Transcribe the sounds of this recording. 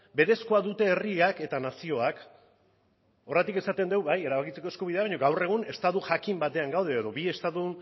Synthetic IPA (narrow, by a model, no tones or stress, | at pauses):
be̞ɾesko̞aðut̪e̞ːriake̞t̪anasio̞ak | o̞ret̪ike̞sat̪e̞nd̪e̞wβaje̞ɾaβakit͡se̞koeskuβiðe̞aβaɲo̞ɡawre̞ɣ̞une̞st̪aðuʝakimbat̪e̞aŋɡawð̞e̞ːðo̞βie̞st̪aðu